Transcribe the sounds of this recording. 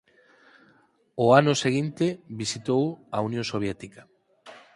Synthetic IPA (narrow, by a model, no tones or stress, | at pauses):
oanʊseɣint̪eβisit̪owaunjõŋsoβ̞jɛt̪ika